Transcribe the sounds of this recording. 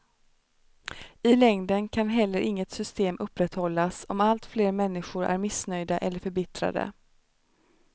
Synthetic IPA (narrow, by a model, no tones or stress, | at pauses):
ɪlɛŋd̪ənkʰanɦɛlːəɾʔɪŋːət̪sʏst̪eːmʔɵpːɾɛt̪hɔlːasɔmalt̪fleːɾmɛnːɪɧʊɾʔæ̰ɾmɪsnœjd̪aʔɛlːəɾfœɾbɪt̪ɾa̰d̪ə̰